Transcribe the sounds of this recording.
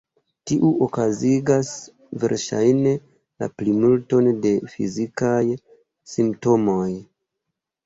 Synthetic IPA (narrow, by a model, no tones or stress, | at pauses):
tiʔuʔokaziɡas | ve̞̰ɾʃa̰jne̞ | la̰plimulto̞nde̞fḭzikaj | simpto̞mo̞j